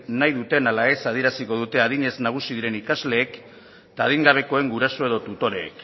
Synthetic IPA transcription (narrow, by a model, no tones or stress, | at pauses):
najðut̪e̞nalae̞sað̞ie̞ɾasiko̞ð̞ut̪e̞aðiɲe̞znaɣ̞usiðiɾe̞nikazle̞ːk | t̪aːðiŋɡaβ̞e̞ko̞e̞ŋɡuɾaso̞e̞ð̞o̞t̪ut̪o̞ɾe̞̰ːk